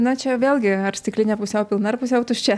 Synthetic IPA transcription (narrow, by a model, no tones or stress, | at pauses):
nɐt͡ʃʲɛʋʲeːlʲˠɡʲɪɐrsʲt̪ʲɪklʲɪnʲɛpʊsʲɛʊpʲɪlˠnɐrpʊs̬ʲɛʊt̪ʊʃʲt͡ʃʲɛ